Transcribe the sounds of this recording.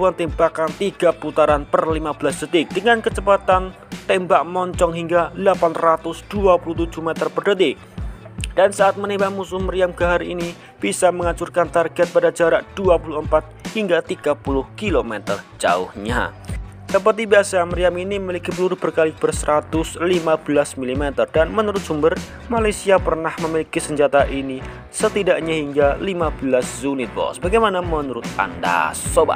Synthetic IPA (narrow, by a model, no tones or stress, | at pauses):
uant̪ɛmbakant̪iɡ̥aput̪aɾanpərlimab̥əlasd̥ət̪ɪk̚d̥əŋankət͡ʃəpat̪an | t̪ɛmbaʔ̚mɔɲt͡ʃɔŋɦiŋɡalapanrat̪ʊsd̥uapulʊht̪ud͡ʒuhmɛt̪ərpərdət̪ɪk̚d̥ansaʔat̪̚mənebamusʊhməɾiamɡaɦaɾini | b̥isaməŋat͡ʃurkant̪arɡɛt̪̚padad͡ʒaɾaʔd̥uapulʊhəmpat̪̚hiŋɡat̪iɡ̥apulʊhkilomɛt̪ə̰rd͡ʒa̰ʊ̰hɲa̰ | səpərt̪̬ibiasaməɾiaminiməmilikipəluɾʊhb̥ərkalibərsəɾat̪ʊslimab̥əlasmilimɛt̪ərdanmənuɾʊt̪̚d͡ʒ̥umbər | malajsiapərnahməmilikisəɲd͡ʒat̪aʔini | sət̪idaʔɲahiŋɡalimab̥əlaszunɪt̪̚bɔ̰sbaɡajmanamənuɾʊt̪̚a̰nda̰soba̰t̪̚